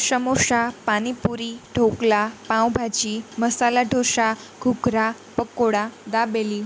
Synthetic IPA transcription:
ɕəmoʂapañipuɾiɖʱoklapãwbʱat͡ɕiməsalaɖʱoʂa | ɡ̥ʱukɾapəkoɽad̪abeli

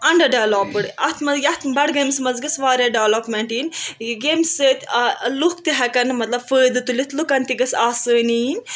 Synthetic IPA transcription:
ɐɳɖɐɖeʋloːpɨɽɐt̪ʰmɐzjɐt̪bɐɽɡeːmsmɐzɡɐsʋaːɾeːɖeːloːpmeɳʈiːnɡeːmsəːt̪ʲluk̚t̪iɦɐkɐnmɐt̪lɐbfəːd̪ɨt̪ulit̪ʰlukɐnt̪iɡɐsaːsəːnin

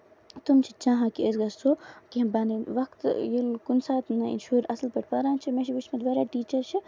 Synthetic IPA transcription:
t̪umt͡ʃʰit͡ʃãːɦãkiezɡɐssoːkiɦɐbaniʋɐkt̪jilkunsaːt̪nɐḭnʃuːɾɐslpɐʈʰpaːɾaːnt͡ʃʰimẽːʃʰiʋit͡ʃmed̪ʋaːɾaːʈiːt͡ʃɐɾt͡ʃʰi

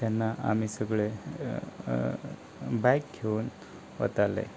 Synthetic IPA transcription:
t̪janːaʔa̰misəɡɭe | bajkɡʱeuːn | ʋə̰t̪alḛ

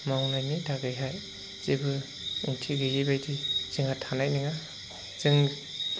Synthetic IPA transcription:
mawnajnidaɡɯjɦaj | z̥ebɯ | iŋtʰiɡɯjibajdiz̥ɯŋatʰanajniŋa | zɯŋ

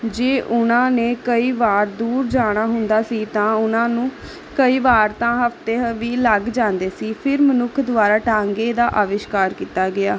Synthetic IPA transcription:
d͡ʒeːʔʊnãːneːkəiːʋaːɾd̪uːɾd͡ʒaːɽ̃aːɦʊnd̪aːsiːt̪ãːʊnãːnũː | kəiːʋaːɾt̪ãːɦəft̪eːɦəʋiːləɡd͡ʒãːnd̪eːsiːpʰɪɾmənʊkʰd̪ʊaːɾaːʈãːŋɡeːd̪aːʔaːʋɪʃkaːɾkiːt̪aːɡɪaː

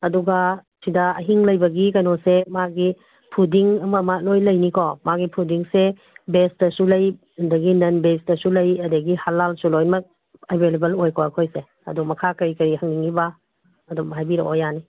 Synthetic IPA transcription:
ɐduɡasidɐɐ̰ɦiŋlɐjbɐɡikɐnosemaɡi | pʰudiŋɐmɐmalojlɐjnikʰɔmaɡipʰudiŋse | besdɐsulɐj | ndɐɡinɐnbesdɐsulɐjɐdeɡihalːalsulojmɐk̚ | ɐbʱelebelojkʰoakʰojse | ɐ̰dumɐkʰakɐɾikɐɾihɐŋdiŋiba | ɐdumajbiɾɐ̰ʔojani

